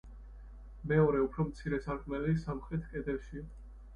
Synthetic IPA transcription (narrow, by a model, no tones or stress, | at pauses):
mɛɔɾɛupʰɾɔmt̪sʰiɾɛsaɾkʼmɛlisamχɾɛt̪ʰkʼɛd̪ɛlʃi